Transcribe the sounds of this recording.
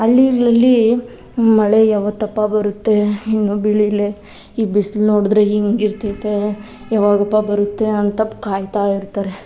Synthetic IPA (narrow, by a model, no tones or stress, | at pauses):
ɐlːiɡɭɐlːi | mɐɭejaːʋɐt̪ːɐpːabɐɾut̪ːe̞inːuːbiɭile | iːbislno̞ːɽd̪ɾeiŋɡiɾt̪it̪ːe | jaːʋaːɡɐpːabɐɾut̪ːe̞ɐnt̪ɐpːkaːjt̪aːiɾt̪aːɾe̞